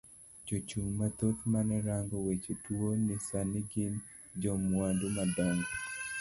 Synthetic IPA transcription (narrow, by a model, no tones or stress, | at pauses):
d͡ʒot͡ʃuŋmat̪ot̪manɛɾaŋɡɔwet͡ʃutwonisanɪɡɪn | d͡ʒɔmwandumadaŋɡɔ